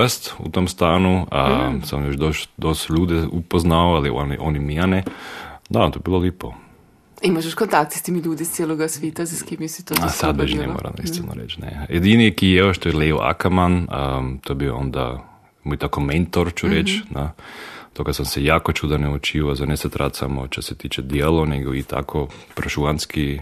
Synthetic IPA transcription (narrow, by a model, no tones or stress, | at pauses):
st̪ṵt̪omst̪aːnuəsamjot͡ʃd̪oʃd̪ost̪ʎuːd̪ɛupoznaoalionḭʔonimianɛd̪at̪ojebilˠoliːpo | imaʃeʃkont̪ak̚t̪i̥st̪emilʲuːd̪ist̪sjeːloɡasʋeːt̪azaskimisit̪oasad̪̚bɛʒiɛ̰mo̰ːɾa̰mnḭst̪ɛno̰ɾḛt͡ʃnḛjed̪iniekijeoʃt̪ojɛleoʔa̰kamanət̪oebioond̪a̰ | mojt̪akoment̪oɾt͡ʃuɾet͡ʃnat̪oɡasamsejaːkot͡ʃud̪anɛut͡ʃiʋazanesɛt̪ɾʔat̪sa̰moʃt̪oset̪it͡ʃɛd̪jelˠoneɡoit̪ʰa̰kʰopɾoʃuanski